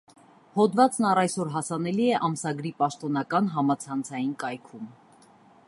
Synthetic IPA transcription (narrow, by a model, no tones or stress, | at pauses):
hɔd̪vɑt͡snɑrɑjsɔɾɦɑsɑn̪ɛliɛʔɑmsɑɡɾipɑʃt̪ɔnɑkɑnɦɑmɑt͡sʰɑnt͡sʰɑjinkɑjkʰum